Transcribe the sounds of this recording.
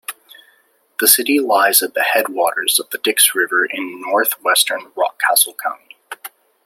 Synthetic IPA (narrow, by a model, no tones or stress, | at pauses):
ðɨsɪɾilaɪzɨt̪̚ðɨhɛd̚wɔɾə˞z̥ʌvðɨdɪksɹɪvə˞ʔɪ̃nːɔɹθwɛstə̃˞nɹɑ̰kʰæsl̩ˠkʰãʊ̃nd̥